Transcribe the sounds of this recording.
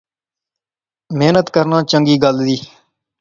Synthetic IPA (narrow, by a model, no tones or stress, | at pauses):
meːnət̪kəɾnãːt͡ʃəŋɡiːɡəld̪iː